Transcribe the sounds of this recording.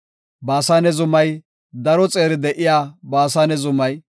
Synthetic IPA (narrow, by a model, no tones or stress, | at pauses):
baːsaːnɛzʊmɐj | d̪ɐɾɔt͡sʼeːɾɪd̪ɛʔɪjaːbaːsaːnɛzʊmɐj